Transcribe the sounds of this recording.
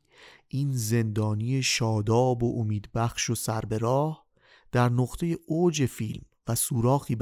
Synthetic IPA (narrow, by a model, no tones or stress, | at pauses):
ʔiːnze̞nd̪ɒːnije̞ʃɒːd̪ɒːbo̞ʔomiːd̪bæxʃo̞sæɾbe̞ɾɒːh | d̪̥æɾnoɣt̪ʰe̞je̞ʔod͡ʒe̞fiːlm | væsuːɾɒːxiːb